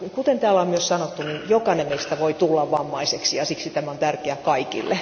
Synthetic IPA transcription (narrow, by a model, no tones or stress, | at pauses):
kut̪ent̪æːlæommyøssɑnot̪ːuninjokɑnemmeist̪æʋoit̪ulːɑʋʋɑmːɑiseksijɑsiksit̪æmæont̪ærkeækɑikḭlːe